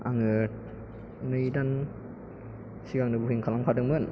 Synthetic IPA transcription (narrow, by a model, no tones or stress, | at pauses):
aŋɯ | nɯjdan | siɡaŋnɯbuhiŋkʰalaŋpʰadɯŋmɯn